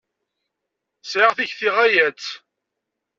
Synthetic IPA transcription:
sʕəʁθiçθiʁæjæt͡sː

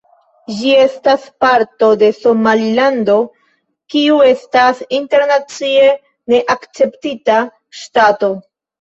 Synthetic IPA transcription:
d͡ʒie̞staspaɾto̞de̞so̞malilando̞ | kiue̞stasinte̞ɾnat͡sie | ne̞ʔakt͡se̞ptita | ʃtato̞

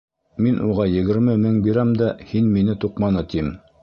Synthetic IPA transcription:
minʔuʁɑjɘ̆ɡɘ̆ɾmɘmɘŋbiɾæmd̪æhinminɘt̪uqmɑnɤt̪im

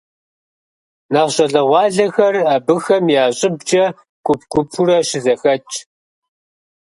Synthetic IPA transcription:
nɐʁɕʼɐɮɐʁʷɑːɮɐxɐraːbɨxɐmjaːɕʼɪb̚d͡ʒʼɐ | kʷʼʊp̚ʰkʷʊpʰuɾɐʃɪzɐxɐt͡ʃʼ

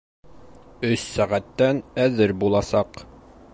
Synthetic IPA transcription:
ɵsːæʁæt̪ːænæðɘɾbulˠɑsɑq

